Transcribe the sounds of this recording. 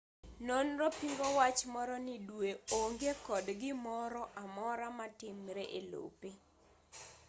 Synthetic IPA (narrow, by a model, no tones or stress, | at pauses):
nonɾɔpiŋɡɔwat͡ʃmɔɾɔnɪdweoŋɡekɔdɡɪmɔɾɔʔamɔɾamatɪmɾeʔelo̰pe